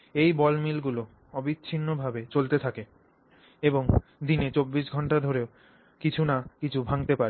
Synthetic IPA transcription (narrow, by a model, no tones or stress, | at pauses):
ejbɔlmilɡulo | ɔbitːɕʰinːobʱabet͡ɕolt̪et̪ʰake | eboŋd̪inet͡ɕobːiʃɡʱɔɳʈad̪ʱoɾeo | kit͡ɕʰunakit͡ɕʰubʱaŋt̪epaɾe